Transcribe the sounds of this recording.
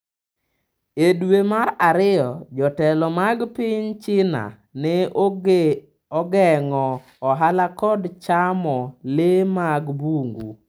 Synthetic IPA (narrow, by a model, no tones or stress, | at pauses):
edwemaɾaɾɪjɔd͡ʒɔtɛlɔmaɡpɪɲt͡ʃɪna̰ | nɛ | ɔɡɛŋɔː | ɦalakɔdt͡ʃamɔlemaɡbuŋɡṵ